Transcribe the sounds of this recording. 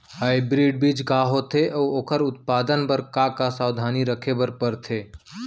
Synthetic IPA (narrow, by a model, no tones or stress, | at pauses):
ɦaːɪbɾiːɖ̚biːd͡ʒkaːɦot̪ʰeʔɔːoːkʰəɾʊt̪̚paːd̪ənpəɾkakasaːwd̪ʱaːniɾəkʰebəɾpəɾt̪ʰeː